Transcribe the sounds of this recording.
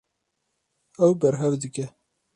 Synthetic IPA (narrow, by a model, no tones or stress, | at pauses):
ɛwbɛɾɦɛvd̪ɨkɛ